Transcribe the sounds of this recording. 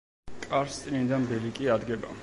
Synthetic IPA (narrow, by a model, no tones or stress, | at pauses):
kʼaɾst̪ʼnid̪ambɛlikʼiad̪ɡɛba̰